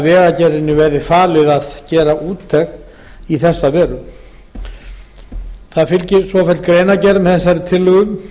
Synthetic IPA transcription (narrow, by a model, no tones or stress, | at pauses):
vɛːɣacɛɾɪnːɪvɛɾðɪfaːlɪðaðcɛːɾaʔuːt̪ʰːɛxn | iθɛsːavɛːɾʏ | θaðfɪlcɪɾ̥svɔːfɛlt̪kɾeːjnacɛɾmθɛsːaɾɪt̪ʰɪlːʏɣʏm